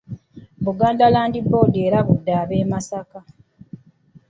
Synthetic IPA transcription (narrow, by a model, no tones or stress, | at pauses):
muɡaːndalaːndiboːdeːɾaβudːaːβeːmasaka